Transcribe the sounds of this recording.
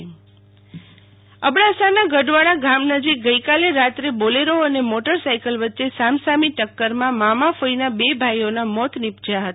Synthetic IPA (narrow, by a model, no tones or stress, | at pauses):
əbɽasanaɡəɖʋaɭaɡamnəd͡ʒik̚ɡəjkaleɾat̪ɾeboleɾoənemɔʈəɾsajkəlʋətːʃesamsamiʈəkːəɾmãmamafoinabebʱajonamɔt̪ʰnipd͡ʒjaɦət̪a